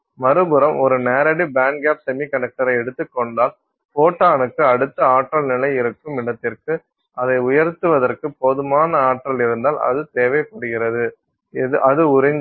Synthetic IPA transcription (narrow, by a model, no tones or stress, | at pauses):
mɐɾɯbɯɾɐmʔɔɾɯneːɾɐɽibaːɳɡaːpsɛmikɐnɛk̚ʈɐɾɐɪɛɽɯt̪ːɯkːɔɳɖaːl | foːʈːaːnɯkːɯɐɽɯt̪ːɐaːʈrɐlnɪlɐɪɪɾɯkːɯmɪɳɐt̪ːɪrkɯ | ʔɐðɐɪʊjɐɾt̪ːɯʋɐðɐrkɯpɔðɯmaːnɐaːʈːrɐlɪɾɯnd̪aːlɐ̰ðɯt̪eːʋɐɪkːɔɽɯɣɪɾɐðɯ | ʔɐðɯʊɾɪŋ